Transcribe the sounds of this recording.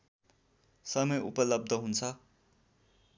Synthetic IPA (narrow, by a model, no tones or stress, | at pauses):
sʌmʌjṵpʌlʌb̚d̪ʱʌɦunt͡sʰʌ